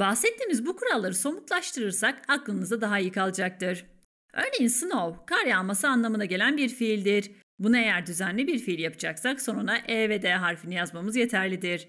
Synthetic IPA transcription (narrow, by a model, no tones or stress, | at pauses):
bahsɛt̪ʰːiːmizbukʰuɾalˠːaɾɯso̞mut̪lˠaʃt̪ʰɯɾɯɾsakaklˠɯnɯzd̪ad̪aɦaijɯkʰalˠɯd͡ʒak̚t̪ɯɾ̥ | ø̞ɾne̞jinsɯno̞wkʰaɾjaalˠmasɯanlˠamɯnaɟe̞lʲænbiɾfilʲd̪iɾ | bunae̞jæɾd̪yzænlʲibiɾfilʲjapʰɯ̥d͡ʒaksakso̞nunaʔeved̪eɦaɾfinijazmamɯzje̞t̪ʰæɾlʲid̪iɾ̥